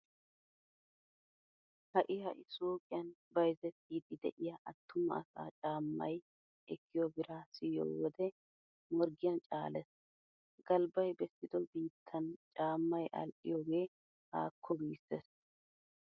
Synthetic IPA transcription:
hɐʔɪjɐʔɪsoːkʼɪjɐnbɐjzɛt̪ːiːd̪ɪd̪ɛ̰ʔɪjɐʔɐt̪ːʊmɐ̰ɐ̰sa̰ːt͡ʃʼaːmːɐ̰j | ʔɛkʰːɪjɔbɪɾaːsɪjo̰ːwɔd̪ɛ | mɔɾɡɪjɐnt͡ʃʼaːlɛs | ɡ̥ɐlbɐjbɛsːɪd̪ɔbiːt̪ʰːɐnt͡ʃʼaːmːɐjʔɐ̰lʔɪjɔɡeː | ha̰ːkʰːɔbiːsɛs

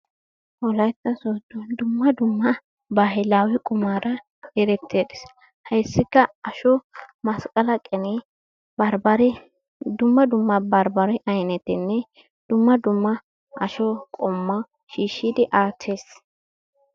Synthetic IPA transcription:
ʔɔlɐjt̪ːɐsoːd̪ʊd̪ʊmːɐd̪ʊmːɐ | baːɦɛlaːwɪkʼʊmaːɾɐ | ɛɾɛt̪ʰːeːd̪ɪs | hɐjsːɪkːɐɐʃɔmɐskʼɐlɐkʼɛnɛ | bɐɾbɐɾ | d̪ʊmːɐd̪ʊmːɐbɐɾbɐɾɛʔɐjnɛt̪ɪnːɛ | d̪̥ʊmːɐd̪ʊmːɐ | ʔɐʃɔkʼɔmːɐ | ʃiːʃːɪd̪ɪʔaːt̪ʰːe̞ːs

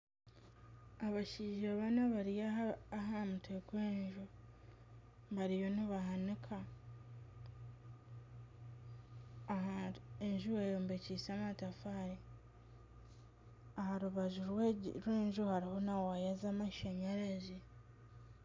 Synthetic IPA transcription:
aβaʃiːʒaβanaβaɾijaːɦamutʰekweːɲʒu | βaɾijo̞niβaɦanikʰa | eɲʒuweːjoːmbecisamatafaɾi | ahaɾuβaʒuɾɾweːɲʒuhaɾihonawajazamaʃeɲeɾezi

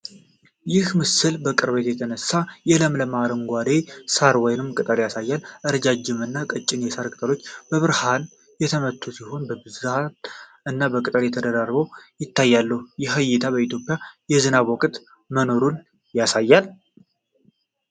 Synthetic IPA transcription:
jɪhmɨsɨlbəkʼɨɾbet̪jɛt̪ʰənəsːajɛləmləmaɾəŋɡʷad̪esaɾwɔjnɨmkʼɨt̪ʼəljasajːalʔɨɾd͡ʒad͡ʒːɪmɨnːakʼət͡ʃʼːɪnjɛsaɾkʼɨt̪ʼəlo̞t͡ʃːb̥əβɨɾhan | jɛt̪ʰəmət̪ʰːusiho̞nbəbɨzat̪̚ | ɨnːabəkʼɨt̪ʼəljɛt̪ʰəd̪əd̪arbəwjɪt̪ʰːajːalːəhujɛɦəjːɪt̪ʰaβəit̪ʰjo̞pʼjajɛzɨnaβɔkʼt̪ | məno̞ɾun | jasajːal

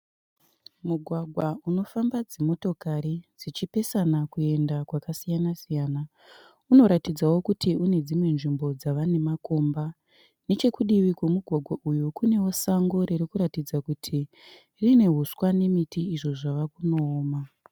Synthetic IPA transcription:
muɡʱwaɡʱwauno̞fambad͡zemo̞to̞kaɾid͡zit͡ʃipe̞sanakue̞ndakwakasijanasijaːna | uno̞ɾatid͡zawo̞kutʰiune̞d͡zimwe̞nʐimbo̞d͡zaʋane̞mako̞mba | ne̞t͡ʃe̞kuɗiʋikwe̞muɡʱwaɡʱwaʔujukune̞wo̞saŋɡo̞ɾeɾikuɾatid͡zakutʰi | rine̞ɦuswane̞mitiiʐo̞ʐaʋakuno̞ːma

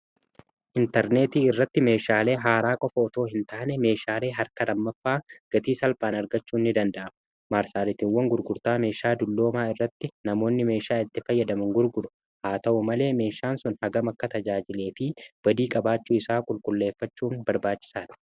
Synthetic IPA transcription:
ʔɪnt̪ɛɾne̞ːt̪iːɪrːɐt̪ːɪme̞ːʃaːle̞ːɦaːɾaːkʼɔfɐɔt̪o̞ːɦɪnt̪aːnɛme̞ːʃaːle̞ːɦɐɾkɐlɐmːɐfːaːɡ̥ɐt̪iːsɐlpʼaːnɐɾɡɐt͡ʃːuːnːɪd̪ɐnd̪ɐʔɐm | maːɾsaːɾɪt̪ɪwɐŋɡʊɾɡʊɾt̪aːme̞ːʃaːd̪ʊlːo̞ːmaːɪrːɐt̪ːɪnɐmo̞ːnːɪme̞ːʃaːɪt̪ːɪfɐjːɐd̪ɐmɐŋɡʊɾɡʊɾʊ̥ | haːt̪ɐʔʊmɐle̞ːme̞ːʃaːnsʊnhɐɡɐmɐkːɐt̪ɐd͡ʒaːd͡ʒɪle̞ːfɪb̥ɐd̪iːkʼɐbaːt͡ʃːuːɪsaːkʼʊlkʼʊlːe̞ːfːɐt͡ʃːuːnbɐɾbaːt͡ʃːɪ̥saːᶑ̪ɐ̥

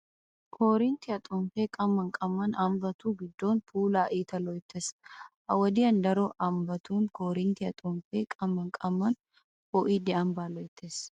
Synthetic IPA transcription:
kʰɔːɾɪnt̪ɪɐt̪ʼɔɱfeːkʼɐmːɐŋkʼɐmːɐnɐmbɐt̪uːɡɪd̪ːo̞ːnpʰuːlaːʔiːt̪ɐlɔjt̪ːes | ɐwɐd̪iːɐnd̪ɐɾoʔɐmbɐt̪ʰuːŋkɔːɾɪnt̪ɪɐt̪ʼɔɱfeːkʼɐmːɐŋkʼɐmːɐn | ɔːʔid̪ɛɐmbaːlɔjt̪ːes

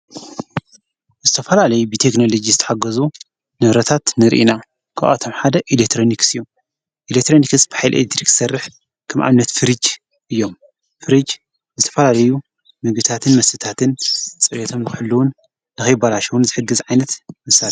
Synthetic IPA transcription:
zɨt̪ʰɐfɐlalɐjubɨt̪ʰekno̞lod͡ʒizɨt̪ʰɐ̥ħaɡɐzu | nɨβɾɐt̪ʰat̪nɨɾʔḭna | kʰa̰ʔa̰t̪ʰomħad̪ɐʔilekt̪ʰɾo̞niksɨjːum | ʔilekt̪ɾo̞nikɨsb̥ɨħajlʔelekt̪ʰɾikɨ̥sɐrːɨħ | kʰɐmʔa̰βnɐt̪fɨɾɨd͡ʒ | ʔɨjːo̞m | fɨɾɨd͡ʒ | zɨt̪ʰɐfɐlalɐju | mɨɡbɨt̪ʰat̪ʰɨnmɐsɨt̪ʰat̪ʰɨnt͡sʼɨɾjet̪ʰo̞mnɨkħɨlːuwʊnː | ɨxɐjbalaʃɐwunzɨħɨɡːɨzʕajnɐt̪mɨsa

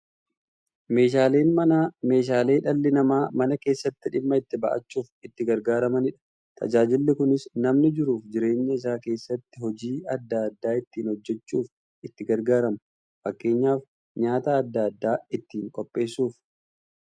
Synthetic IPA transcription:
me̞ːʃ̬aːle̞ːnmɐname̞ːʃ̬aːle̞ːᶑɐlːɪnɐmaːmɐnɐke̞ːsːɐt̪ːɪᶑɪmːɐɪt̪ːɪbɐ̰ʔɐ̰t͡ʃːuːfɪt̪ːɪɡɐɾɡaːɾɐmɐnɪᶑɐ̥ | t̪ʰɐ̰d͡ʒaːd͡ʒɪlːɪkʊnɪsnɐmnɪd͡ʒɪɾuːfd͡ʒɪɾe̞ːɲːɐɪs̬aːke̞ːsːɐt̪ːɪhɔd͡ʒiːɐd̪ːɐɐd̪ːaːɪt̪ːiːnhɔd͡ʒːɛt͡ʃːuːf | ɪt̪ːɪɡɐɾɡaːɾɐmɐ | fɐkːe̞ːɲːaːf | ɲaːt̪aːd̪ːɐɐd̪ːaːɪt̪ːiːŋkʼɔpʼːe̞ːsːuːf

